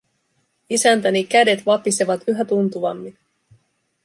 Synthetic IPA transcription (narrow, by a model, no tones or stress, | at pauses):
isænt̪ænikæde̞t̪ʋɑpise̞ʋɑt̪yɦæt̪unt̪uʋɑmːin